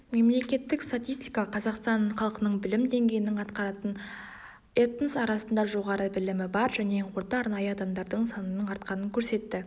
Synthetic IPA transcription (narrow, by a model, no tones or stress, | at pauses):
me̞mle̞kʲe̞t̪ːɪkst̪at̪ʲijst̪ijkɑqʰɑzɑqst̪ɑnχɑlˠqənəɴbɪlɪmd̪e̞ŋɡʲe̞jɪnɪŋɑt̪qɑɾɑt̪ən | et̪nsɑɾɑsənd̪ɑʒo̞ʁɑɾəbɪlɪmɪbɑɾʒæne̞ɴqʰo̞ɾt̪ɑɑɾnɑjəɑd̪ɑmd̪ɑɾd̪əɴsɑnənəɴɑɾt̪̚qɑnəŋkʲʰɵɾse̞t̪ːɪ